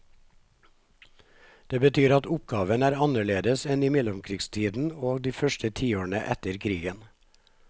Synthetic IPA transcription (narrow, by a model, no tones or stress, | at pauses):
d̪̥eːbət̪ʰyːɾɑt̪ʊp̚ɡɑːʋənæːɾɑnəɭeːd̪əsɛniːmɛlʊmkʰɾiːɡst̪ʰiːd̪n̩oːɡd̪iːfœʃʈət̪ʰiːoːɳəʔɛt̪əɾkʰɾiːɡən